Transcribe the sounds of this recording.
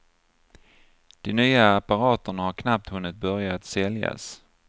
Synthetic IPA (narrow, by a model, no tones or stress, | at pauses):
d̪̥ɛnyːaːpaɾɑːt̪əɳahaɾkʰnap̚t̪hɵnːɪt̪̚bœɾjat̪sɛlja̰s